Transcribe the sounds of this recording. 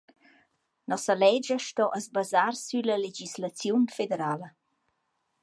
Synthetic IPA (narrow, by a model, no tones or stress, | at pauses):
nɔsəlɛd͡ʒəʃtɔʔəzbazaɾsyləled͡ʒislat͡sjunfed̪eɾalə